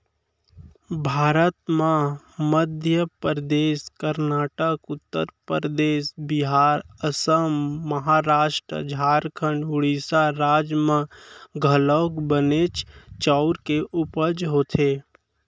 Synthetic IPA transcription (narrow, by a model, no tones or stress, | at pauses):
bʱaːɾət̪mã | məd̪ʱjəpɾəd̪eːskəɾnaːʈəkʊt̪ːə̰ɾpəɾd̪eːsbɪɦaːɾəsəmːəɦaɾaːʃʈɾə̰d͡ʒʱaːɾkʰəɳɖʊɽiːsaɾaːd͡ʒmãɡʱəlokbənet͡ʃt͡ʃaʊɾkeʔʊpəd͡ʒɦoːt̪ʰeː